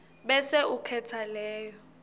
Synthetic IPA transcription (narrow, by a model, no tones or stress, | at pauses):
ɓɛsɛukʰɛt͡sʰalɛːjɔ